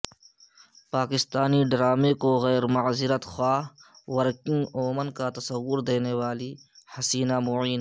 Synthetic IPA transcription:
paːkɪst̪aːniɖɾaːmekoɣɛːɾmɐzɪɾət̪xwaːwɐɾkɪ̃ŋɡoːmənkat̪ɐsɐwːʊɾd̪eːnewaːlihɐsiːnamoiːn

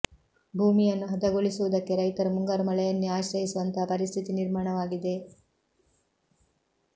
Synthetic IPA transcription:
bʱuːmijɐnːuɦɐd̪ɐɡoɭisuʋud̪ɐkːe̞ɾɐjt̪ɐɾmuŋɡɐɾmɐɭɐjɐnːiaːʃɾɐɦisuʋɐnt̪ɐɦɐpɐɾist̪ʰit̪iniɾmaːɳɐʋaːɡid̪e̞

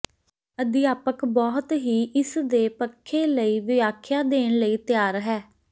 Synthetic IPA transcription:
əd̪ɪjaːpəkbɔːt̪ɦiːʔɪsd̪eːpəkʰːeːləiːʋɪaːkʰjaːd̪eːɳ̃ləiːt̪ɪjaːɾɦɛː

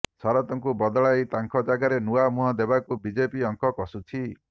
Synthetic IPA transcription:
sɔɾɔt̪ɔŋkubɔd̪ɔɭajt̪aŋkʰɔd͡ʒaɡaɾenuamuɦɔd̪ebakubid͡ʒepiɔŋkɔkɔsut͡ʃʰi

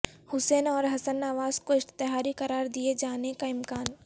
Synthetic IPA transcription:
hʊseːnɔːɾɦɐsənaːʋaːzkoɪʃt̪ɪɦaːɾikɐɾaːɾd̪ied͡ʒaːnekaɪmkaːn

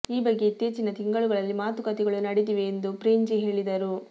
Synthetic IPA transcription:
iːbɐɡːe̞it̪ːeːt͡ʃinɐt̪iŋɡɐɭuɡɐɭɐlːimaːt̪ukɐt̪ɛɡɐɭunɐɽit̪̬iʋeːnd̪upɾeɲd͡ʒiɦe̞ːɭid̪ɐɾu

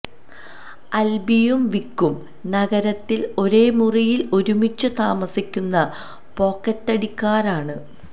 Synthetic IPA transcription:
ɐlbijumʋikːum | nɐɣɐɾɐt̪ːilo̞ɾe̞ːmurijilo̞ɾumit͡ɕːɨt̪aːmɐsikʲːunːɐ | po̞ːkːɐtːɐɽikːaːɾaːɳɨ

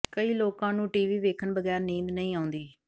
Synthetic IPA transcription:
kəiːloːkãːnũːʈiːʋiːʋeːkʰəɳbəɡɛːɾnĩːnd̪nəĩːaːʊ̃nd̪iː

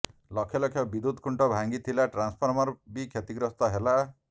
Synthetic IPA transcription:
lɔkʰjɔlɔkʰjɔbid̪ud̪ʱkʰuɳʈɔbʱaŋɡit̪ʰilaʈɾanspʰɔɾmɔɾbikʰjet̪iɡɾɔst̪ɔɦela

